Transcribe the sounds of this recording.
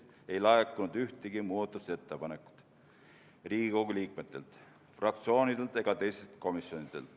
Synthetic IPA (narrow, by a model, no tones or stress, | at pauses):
e̞jlɑekːˑunud̪yht̪eɡ̥imuːd̪ɑt̪ːˑust̪e̞t̪ːepɑnekːˑu̥d̪̥ | riːɡiko̞ɡuliːk̚me̞t̪ːˑe̞lt̪ | frɑk̚t̪sio̞ːnid̪̥e̞lt̪e̞ɡ̥ɑt̪e̞jst̪elt̪ko̞misjo̞nid̪̥ḛlt̪